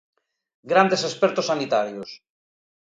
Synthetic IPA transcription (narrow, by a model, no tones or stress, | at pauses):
ɡɾand̪esespɛɾt̪osːanit̪aɾjos